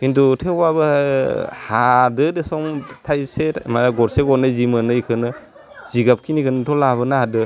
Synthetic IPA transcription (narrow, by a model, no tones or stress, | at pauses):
kintutʰewbabɯ | hadɯdesɔŋtʰajsemaaɡɔɾseɡɔnɯjzimɯnɯjkʰɯnɯ | z̥iɡap̚kʰinikɯnɯtʰɔlaβɯnahadɯ